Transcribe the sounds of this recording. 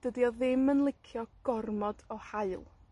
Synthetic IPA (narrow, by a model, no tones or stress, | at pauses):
d̥ədiɔðɪmənlˠɪkʰjɔɡ̥ɔrmɔd̥ɔhaɨlˠ